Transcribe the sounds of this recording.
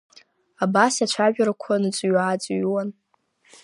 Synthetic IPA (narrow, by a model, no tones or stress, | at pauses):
abasat͡ʃʷʰaʒᶣaɾakʷʰanɨt͡sʷʼɥat͡sʷʼɥwan